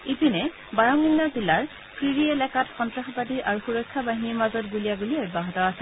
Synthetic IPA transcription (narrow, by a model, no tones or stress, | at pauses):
ipinɛ | baɹɔminːazilːaɹ | pʰɹiɹiɛlɛkatxɔntɹaxɔpatiɹʔaɹuxuɹɔjkʰːabaɦiniɹmazɔtɡulijaɡuliɛbaɦɔtɔasɛ